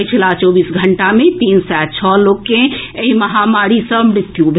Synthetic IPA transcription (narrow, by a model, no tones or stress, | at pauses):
t͡ʃʰəlat͡ʃɔbisɡʱəɳʈamẽt̪insɛt͡ʃʰɔlokkẽeɦiməɦamaɾisəbmɾɪt̪jubʱ